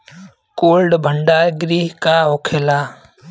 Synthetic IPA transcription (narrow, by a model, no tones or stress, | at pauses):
koːlɖbʱəɳɖaːɾɡɾiːɦkaːɦokʰeːlaː